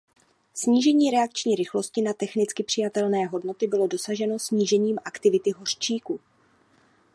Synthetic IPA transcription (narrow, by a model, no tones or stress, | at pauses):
sɲiːʒɛɲiːɾɛak̚t͡ʃɲiːɾɪxlo̞scɪnat̪ɛxnɪt͡skɪpr̝̥ɪjat̪ɛlnɛːɦo̞dno̞t̪ɪbɪlo̞do̞saʒɛno̞sɲiːʒɛɲiːmʔakt̪ɪvɪt̪ɪɦo̞r̥t͡ʃiːku